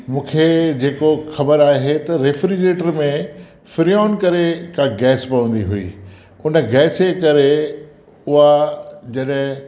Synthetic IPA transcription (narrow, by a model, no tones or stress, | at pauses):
mũːkʰed͡ʑeːkoxɐbəɾaːɦet̪ɐɾefɾid͡ʑeːʈəɾmẽ | fɪɾiaːnkɐɾekʰãɡɛːspɐʋə̃nd̪iɦuḭː | ʊnə̆ɡɛːsekɐɾe | ʊɦad͡ʑɐɗɦɪ̃